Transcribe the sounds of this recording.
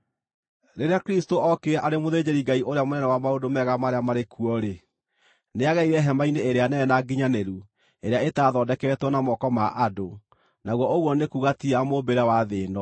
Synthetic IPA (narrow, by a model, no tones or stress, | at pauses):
ɾeɾeakeɾistoʔɔkeaʔaɾemoðed͡ʑeɾiɡaiʔoɾeamonɛnɛwamaodomɛɣamaɾeamaɾekuɔɾe | neaɣɛiɾɛɦɛmaineeɾeanɛɛnaɡiɲaneɾu | eɾeaetaːðɔːdɛkɛɛtwɔnamɔkɔmaʔado | naɣwɔʔoɣwɔnekuɣatiamobeɾawaðeːnɔ